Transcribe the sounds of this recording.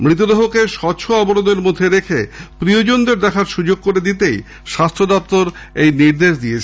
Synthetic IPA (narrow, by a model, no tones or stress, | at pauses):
mɾit̪od̪eɦokeʃɔt͡ɕʰoaboɾod̪eɾmod̪ʱːeɾekʰepɾiod͡ʑond̪eɾd̪ɛkʰaɾʃud͡ʑoɡ̚koɾed̪it̪ej | ʃast̪ɾod̪ɔp̚t̪oɾejniɾd̪eʃd̪iet͡ɕʰe